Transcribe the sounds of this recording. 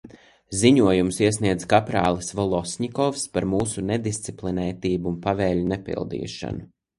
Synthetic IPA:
ziɲuɔjumsiɛsniɛd̪zkapɾaːlˠsvɔlˠɔsʲɲikɔfspaɾmuːsuned̪ist̪siplˠinɛjt̪iːbuunpavɛːʎunepḭlˠd̪ḭːʃa̰nu

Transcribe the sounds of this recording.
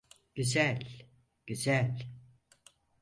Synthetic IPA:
ɟ̥yzælʲ | ɟ̥yzælʲ

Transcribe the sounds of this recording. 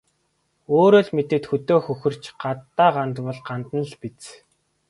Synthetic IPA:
oːɾoːɮmet̪ɘ̆t̪xɵt̪oːxɵxɵ̆r̥t͡ɕɢat̪ːaːɢant̪pɔ̆ɮɢant̪nə̆ɮpit͡s

